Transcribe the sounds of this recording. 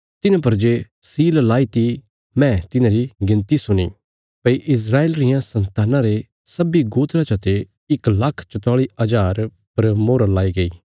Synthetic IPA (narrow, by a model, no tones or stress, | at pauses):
t̪ɪnãp̬ɐɾd͡ʒe | siːllaːit̪i | mɛ̃t̪ɪnãɾiɡɪ̃nt̪isʊnḭ | pɐiʔɪs̬ɾaːeːlɾɪjãsɐ̃nt̪aːnãɾe | sɐbiɡoːt̪ɾat͡ʃɐt̪e | ɪklɐkʰt͡ʃɐt̪aːɭiɐd͡ʒaːɾ | pɐɾmoːɾalaːiɡɐiː